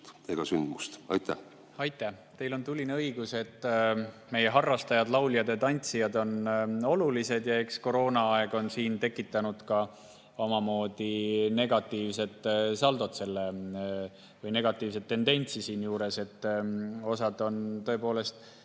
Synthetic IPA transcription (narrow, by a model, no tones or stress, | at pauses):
t̪eɡ̥ɑsynd̪must̪ɑ̰jt̪æ̰ | ɑjt̪ːˑæt̪e̞jlo̞nt̪ulʲːineɤiɡ̥use̞t̪ːˑme̞je̞ɦɑrːɑst̪ɑjɑd̪lɑwlʲijɑd̪et̪ɑnʲt̪sijɑd̪o̞no̞lulise̞d̪jɑe̞ksko̞ɾo̞ːnɑɑeɡ̥o̞nsiːnt̪e̞kːˑit̪ːˑɑnud̪̥kɑ | omɑmo̞ːd̪̥ine̞ɡ̥ɑt̪ːˑiːvse̞t̪ːˑsɑld̪ot̪se̞lːe | vɯjne̞ɡ̥ɑt̪ːˑiːvs̬e̞t̪ːe̞nd̪e̞nʲt̪sisiːnjuːɾe̞se̞t̪ːˑo̞sɑd̪̥o̞nt̪ɤ̞e̞po̞ːle̞st̪